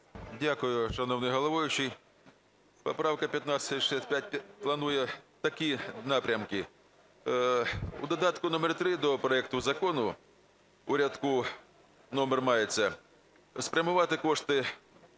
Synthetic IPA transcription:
dʲakʊjʊʃɐnɔwnɪjɦɔlˠɐʋɔjʊt͡ʃij | pɔpɾɑwkɐpʲjɐt̪nat͡ssʲɐtʲʃɛsʲtʲpʲjat̚ʲplˠɐnujɛt̪ɐkʲinɑpɾʲɐmkɪ | ṵd̪ɔd̪ɑt̪kʊnɔmɛrt̪ɾɪd̪ɔpɾɔɛk̚t̪ʊzɐkɔnʊ | uɾʲɐd̪kʊ | nɔmɛrmɑjet͡sʲːɐ | spɾʲɐmʊʋɑt̪ɪkɔʂt̪ɪ

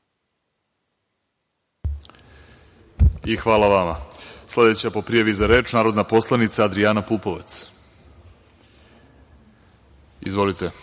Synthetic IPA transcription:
ixʋaːlˠaʋamasled̪et͡ɕapo̞pɾijaʋizaɾe̞ːt͡ʃnaːɾo̞d̪napo̞slˠanit̪saːd̪ɾianapuːpo̞ʋat̪s | ḭzʋo̞lit̪e

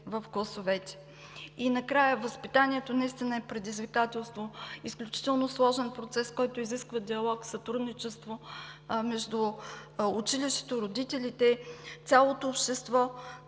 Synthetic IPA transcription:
vəfɡlˠəsovɛt̪ɛ̥ | inɐkɾajəvəspit̪aniɛt̪onɐist̪inəɛpɾɛd̪izvikat̪ɛlˠst̪voisklʲut͡ʃi̥t̪ɛlˠnoslˠɔʒɛnpɾot̪sɛskɔjt̪ʊiziskvəd̪iɐlˠɔksɐt̪ɾud̪nit͡ʃɛst̪vomɛʒd̪uː | t͡ʃiliʃɛ̥t̪oiɾod̪it̪ɛlʲit̪ɛt̪ʲalˠot̪oːpʃt̪ɛst̪vɔ

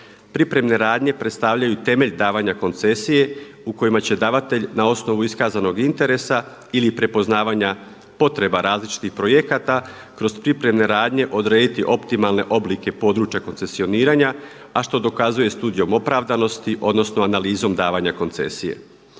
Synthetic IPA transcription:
pɾipɾe̞mne̞ɾaːd̪ɲe̞pɾe̞t̪st̪aʋʎajut̪e̞me̞ʎd̪aːʋaɲako̞nt̪se̞sije̞ | uko̞jimat͡ɕe̞d̪aːʋat̪e̞ʎnao̞sno̞ʋuiskaːzano̞ɡint̪e̞ɾe̞sa | ilipɾe̞po̞znaːʋaɲa | po̞t̪ɾe̞baɾaːzlit͡ʃi̥t̪ixpɾo̞je̞kat̪a | kɾo̞zpɾipɾe̞mne̞ɾaːd̪ɲe̞ʔo̞d̪ɾe̞ːd̪it̪iʔo̞pt̪imalˠne̞̰ʔo̞blike̞po̞ːd̪ɾuːt͡ʃjako̞nsesio̞niːɾaɲa | aʃt̪o̞d̪o̞kazuje̞st̪uːd̪ijo̞mo̞pɾaʋd̪ano̞st̪iʔo̞d̪no̞sno̞analiːzo̞md̪aːʋaɲako̞nt̪se̞̰sije̞̰

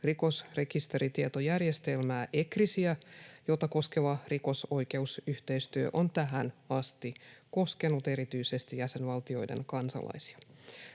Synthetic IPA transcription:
riko̞sre̞kist̪e̞ɾit̪iet̪ojærjest̪e̞lmæːʔe̞krisiæjot̪ɑko̞skeʋɑriko̞so̞ike̞usyht̪eist̪yø̰ʔont̪æɦænɑst̪iko̞ske̞nut̪e̞ɾit̪yisest̪ijæsenʋɑlt̪io̞̰jdḛŋkɑnsɑ̰lʔɑ̰jsi̥ɑ̥

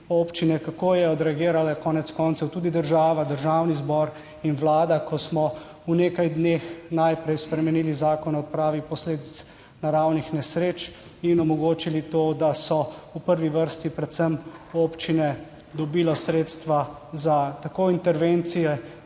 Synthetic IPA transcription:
oːpt͡ʃinɛkakoːjɛɔd̪ɾɛaɡiːɾalakɔːnɛt̪skɔnt̪sɛwt̪uːd̪id̪əɾʒaːʋad̪əɾʒaːwnizbɔɾ | inʋlaːd̪akʰɔsmɔ | uneːkajd̪neːxnajpɾɛjspɾɛmɛniːlizaːkɔnɔɔt̪̚pɾaːʋipɔsleːd̪it̪s | naɾawnixnɛsɾeːt͡ʃ | inɔmɔɡoːt͡ʃilit̪oːd̪asɔupəɾʋiʋəɾst̪ipɾɛt̪səmoːpt͡ʃinɛ | d̪ɔbiːlɔsɾeːt̪st̪ʋa | zat̪akoint̪ɛɾʋent̪sijɛ

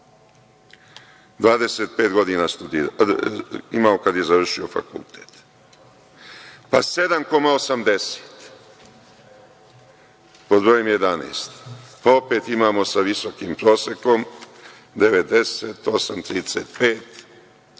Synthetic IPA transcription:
d̪ʋaːd̪ese̞t̪̚peːt̪ɡo̞d̪iːnast̪ud̪i | imaokad̪je̞zaʋr̩ʃio̞fa̰kṵlˠt̪ʰeːt̪ | pase̞d̪amko̞maosamd̪e̞se̥ːt̪ | po̞d̪bɾo̞jemje̞d̪anḛːst̪pao̞peːt̪imaːmo̞saʋiso̞kiːmpɾo̞ːseko̞m | d̪e̞ʋed̪e̞set̪o̞samt̪ɾiːd̪esḛt̪peːt̪

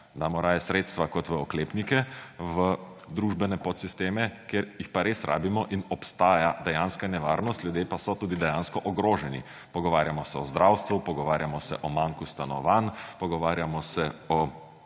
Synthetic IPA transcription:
d̪amɔɾaːjɛsɾeːt̪st̪ʋakɔt̪ʋəɔkleːpnikɛʋə | d̪ɾuːʒbɛnɛpɔt̪sist̪eːmɛkeɾjixpaɾeːsɾʔa̰ːbimɔʔinɔpst̪aːjad̪ɛjanskanɛʋaːɾnɔst̪lʲjud̪jeːpasɔt̪uːd̪id̪ɛjaːnskɔʔɔɡɾoːʒɛnḭ | pɔɡɔʋaːɾjamɔsɛɔzd̪ɾawst̪ʋupɔɡɔʋaːɾjamɔsɛʔɔmaŋkust̪anɔ̰ʋanpɔɡɔʋaːɾjamɔsɛɔ

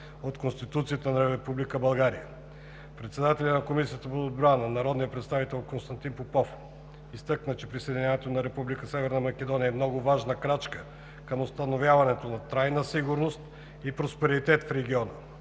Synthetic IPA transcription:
ot̪konst̪it̪ut̪sijət̪ənɐɾɛpublikəbɐlˠɡaɾijə | pɾɛt̪sɛd̪at̪ɛlʲənɐkomisijət̪əpood̪̚bɾanənɐɾɔd̪nijəpɾɛt̪st̪avit̪ɛlˠkonst̪ɐnt̪inpopɔf | ist̪ɤknət͡ʃɛpɾisəjd̪ʲinʲɲʲanɛt̪onɐɾɛpublikəsɛvɛɾnəmɐk̟ʲɛd̪ɔniəɛmnɔɡʊvaʒnəkɾat͡ʃkə | kəmost̪ɐnovʲjavɐnɛt̪onɐt̪ɾajnəsiɡʊɾnost̪ | ipɾospɛɾit̪ɛt̪fɾɛɡ̟iɔnə

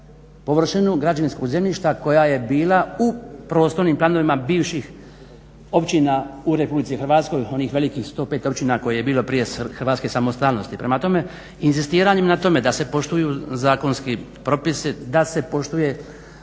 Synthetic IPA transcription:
po̞ʋr̩ʃenuɡɾad͡ʒaʋinsko̞ɡze̞mʎʲiʃt̪ako̞jaje̞biːlaupɾo̞ːst̪o̞ɾniːmplaːno̞ʋimabiːʋʃix | o̞pt͡ɕinaːuɾe̞publit̪sixr̩ɾʋaːt̪sko̞jo̞niːxʋe̞likiːxst̪o̞ːpeːt̪o̞pt͡ɕinako̞jeje̞biːlo̞pɾije̞xr̩ɾʋaːt̪skesamo̞st̪aːlno̞st̪ipɾemat̪o̞me̞ | inzist̪iːɾaɲemnat̪o̞me̞d̪ase̞po̞ʃt̪ujuːzaːko̞nske | pɾo̞pisid̪ase̞po̞ʃt̪uje̞

